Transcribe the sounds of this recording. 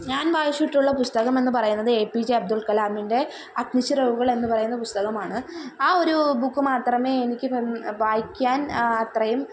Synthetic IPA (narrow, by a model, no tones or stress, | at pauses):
ɲaːnʋaːjiɕiʈːuɭːɐpust̪ɐɣɐme̞nːɨpɐrɐjunːɐðɨeːpiːd͡ʑiɐb̚d̪ulkɐlaːminde̞ | ɐkniɕɨrɐʋuɣɐɭe̞nːɨpɐrɐjunːɐpust̪ɐɣɐmaːɳɨaːo̞ɾubukːɨmaːt̪rɐme̞ːenikʲːɨʋaːjikʲːaːnɐt̪rɐjum